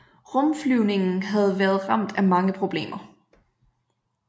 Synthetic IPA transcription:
ʁɔ̽mflyʊne̝ŋn̩ɦæð̞̩ˠʋæːɐðˠʁɑ̈m̰d̥æmɑ̈ŋəpʰʁo̝b̥le̝̰ːmɐ

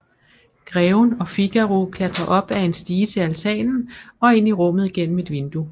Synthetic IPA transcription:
ɡ̥ʁɛːʊnɒ̽fiɡ̥æʁukʰlæd̥ʁɐʔɒ̽b̥æe̝nsd̥iːt͡sʰe̝lælt͡sʰɛ̰ːnn̩ɒ̽e̝ːn̰liʁɔ̽m̰ð̞̩ˠiɡ̥en̰m̩e̝d̥ʋe̝nd̥u

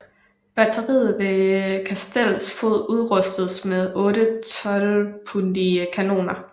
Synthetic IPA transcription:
b̥æt͡sʰɐʁḭːð̩ˠʋe̝kʰæsd̥el̰sfo̝ð̰ˠuð̞ˠʁɔsd̥ð̩ˠsmeðˠɔ̽ːɾət͡sʰɒ̽lpʰund̥ikʰæno̝̰ːnɐ

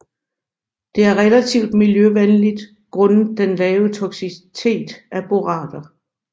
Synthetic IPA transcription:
d̥e̝æɐʁɛlæt͡sʰiʊ̰d̥miljøʋenlid̥ | ɡ̥ʁɔ̽nd̥enlɛːʊət͡sʰɒ̽ɡ̥sist͡sʰe̝̰ːd̥æb̥o̝ʁɑ̰̈ːd̥ɐ

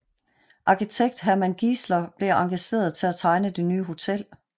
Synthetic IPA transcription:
ʔɑ̈kit͡sʰeɡ̥̚d̥ɦæɐmænɡ̥islɐb̥le̝ʔɑ̈ŋɡ̥æɕe̝̰ːɐð̞ˠt͡sʰe̝læt͡sʰɑ̈ɪnəd̥e̝nyːɦo̝t͡sʰel̰

